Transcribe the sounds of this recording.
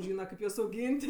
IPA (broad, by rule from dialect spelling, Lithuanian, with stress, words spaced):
ˈʒʲiːnɐ ˈkɐɪp juɔs ɐʊˈɡʲiːnʲtʲ